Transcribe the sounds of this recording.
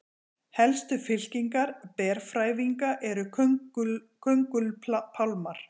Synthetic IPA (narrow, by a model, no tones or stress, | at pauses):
hɛlst̪ʏfɪl̥ciŋkaɾpɛɾ̥fɾaːjviŋkaʔɛɾʏk | kʰœŋkʏlpʰawlmaɾ̥